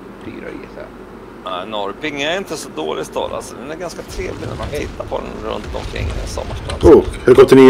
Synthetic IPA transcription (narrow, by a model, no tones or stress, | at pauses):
fiːɾa̰ɛsæ̰ | næɪnɔɾpɪŋːəæɾɪnt̪əsɔd̪oːlɪst̪ʰɔːla̰lsɔd̪ɛnæɾɡanskat̪ʰɾeːvlɪɡnæ̰manɦɛjt̪apʰɔd̪ɛnɾɵ̰nt̪ɔmkʰɾɪ̰ŋːsɔ̰mːaʂʈɑːd̪uhɵɾɡɔt̪ːənɪ